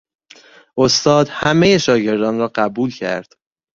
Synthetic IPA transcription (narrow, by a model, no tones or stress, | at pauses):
ʔost̪ɒːd̪hæmejeʃɒːɟe̞ɾd̪ɒːnrɒːɢæbuːlcʰæ̰ɾd̪̥